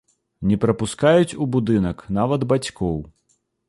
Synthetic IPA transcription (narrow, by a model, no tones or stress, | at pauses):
nʲɛpɾɐpʊskɑjʊtʲubʊd̪ɪnɐknɑʋɐd̪bɐtʲkɔw